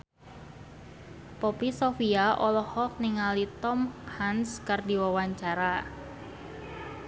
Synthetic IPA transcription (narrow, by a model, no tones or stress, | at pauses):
pɔpisofiaʔɔlɔhɔk̚niŋalit̪ɔmhanskɨrdiwawaɲt͡ʃaɾa